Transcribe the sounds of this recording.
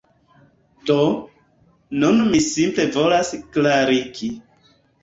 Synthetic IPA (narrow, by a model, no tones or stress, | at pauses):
do | nunmisimple̞vo̞lasklaɾiki